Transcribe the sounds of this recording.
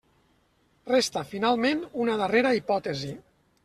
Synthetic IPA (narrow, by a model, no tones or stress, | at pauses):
rest̪əfinalˠmenunəðəreɾəipɔt̪ezi